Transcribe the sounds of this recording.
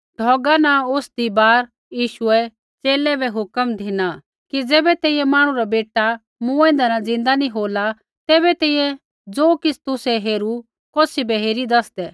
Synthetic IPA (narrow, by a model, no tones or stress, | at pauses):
ɖʱɔːɡanaʊsd̪ibaːɾ | jiːʃʊɛ | t͡seːlɛbɛɦʊkəmd̪ʱina | kid͡zɛːbɛt̪ɛːijɛ̃maːɽ̃ũɾabeːʈa | mũɛ̃ːnd̪anad͡zɪ̃nd̪aniɦoːla | t̪ɛːbɛt̪ɛːijɛ̃ | d͡zoːkɪt͡sʰt̪ʊsɛɦeːɾu | koːsibɛɦeːɾid̪ɐsd̪ɛ